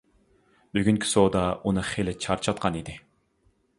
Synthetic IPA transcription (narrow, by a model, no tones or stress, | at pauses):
byɡʲyŋkʲʰi̥sod̪ɑunɨχelɪt͡ʃʰɑɾt͡ʃʰɑt̪̚qʰɑnid̪ɪ